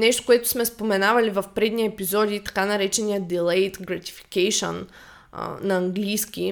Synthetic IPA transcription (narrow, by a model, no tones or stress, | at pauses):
nɛʃt̪o̥koɛt̪ʊ̥smɛspomɛnavɐlivɐfpɾɛd̪niəɛpizɔd̪ʲit̪ɐ̥kanɐɾɛt͡ʃɛnijəd̪ɛlˠɛjt̪ɡɾɐt̪i̥fi̥kɛjʃo̰n̰ | nɐɐŋɡlijskʲi